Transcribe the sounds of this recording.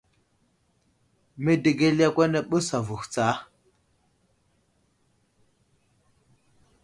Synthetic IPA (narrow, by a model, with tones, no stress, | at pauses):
me˦de˨ɡe˦lja˦kwɛ˦nɛ˨ɓə˦sa˨vu˨ht͡saː˨˦